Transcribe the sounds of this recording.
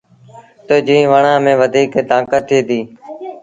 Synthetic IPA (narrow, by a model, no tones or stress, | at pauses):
t̪oːd͡ʒĩːʋəɳãːmẽːʋəd̪ʱiːkːt̪ãːkət̪ʰːeːt̪iː